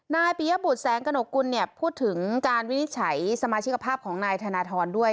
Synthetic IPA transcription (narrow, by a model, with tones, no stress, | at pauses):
naː˧jpiː˨˦ja˦˥bu˨˩t̪̚sɛː˩˦ŋka˧no˨˩kːu˧nːi˥˩əpʰuː˥˩t̪ʰːɯ˩˦ŋkaː˧nwi˦˥ni˦˥t̪̚t͡ɕʰa˩˦jsa˧maː˧t͡ɕʰi˦˥kːa˧pʰaː˥˩p̚kʰɔː˩˦ŋnaː˧jt̪ʰaː˧naː˧t̪ʰɔː˧ndu˥˩əj